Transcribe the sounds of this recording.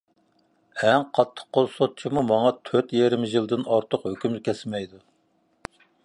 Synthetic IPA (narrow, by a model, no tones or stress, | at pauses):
ɛŋqʰɑt̪ʰːə̥qqolˠsot̪̚t͡ʃʰimumɑŋɑt̪ʰøt̪jeɾɪmɪʒilˠd̪ɪnɑɾt̪ʰʊqhøkʲymkʲʰɛsmɛjd̪u